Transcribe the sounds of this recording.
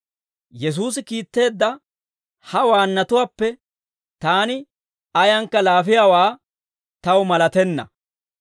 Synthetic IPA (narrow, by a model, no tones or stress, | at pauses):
jɛs̬uːs̬ɪkiːt̪ːe̞ːd̪ːɐ | hɐwaːnːɐt̪ʊwaːpːɛ | t̪aːnɪ | ɐjɐŋkːɐlaːfɪjaːwaː | t̪ɐwmɐlɐt̪ɛnːɐ̰